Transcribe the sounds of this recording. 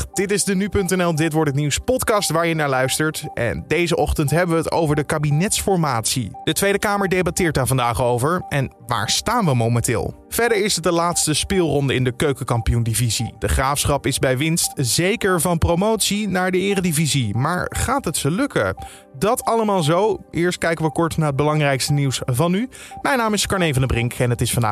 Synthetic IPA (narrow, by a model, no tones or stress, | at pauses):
d̥ɪtɪzdənypɵntɛnɛlˠdɪtʋɔɹtətniwspɔtkɑstʋaːɹjənaːɹlœɥstəɹtʔɛ̰ndejzəʔɔχtəntɦɛbəʋəəto̰wvəɹdəkaːbinɛtsfɔɹmaːtsḭd̥ətʋejdəkaːməɹdejbɑtɪːɹt̚daːɹvɑndaːχowvəɹʔɛnʋa̰ːɹstaːnʋəmowmɛ̃ntɪ̰ːlˠ | v̥ɛɹdəɹɪsət̚dəlaːtstəspɪːlˠrɔndəɪndəkøɥkəkɑmpijundivizidəχraːfsχɑpɪzbɛjʋɪnstzejkəɹvɑnprowmowtsinaːɹdəɪːrədivizimaːɹχaːtɦətsəlɵkə̰ | dɑtʰɑləmaːlˠzowʔɪːɹst̚kɛjkənʋəkɔɹtnaɹətd̚bəlɑŋrɛjkstəniwsvɑnymɛjnaːmɪskɑɹnejvɑnəbrɪŋkɛnɦətɪsfɑnda̰ː